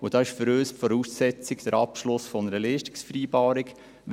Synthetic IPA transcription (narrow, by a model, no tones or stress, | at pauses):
ʊd̥ɑːɪʃfəɾøːstfɔɾuːsːɛt͡sɪɡd̥̪əɾɑpʃlʊsfɔnəɾəleːʃtɪ̥ksfɾiːbɑːɾik